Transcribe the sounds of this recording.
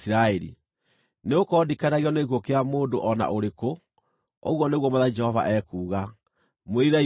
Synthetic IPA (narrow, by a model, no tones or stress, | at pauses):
ɾaeɾḭ | neokɔːdikaɾaɣiɔneɣwɔkeamoːdoʔɔna̰ʔoɾeko | o̰ɣwɔneɣwɔmaðad͡ʒɛhɔva̰ʔɛːkuːɣa | mweiɾa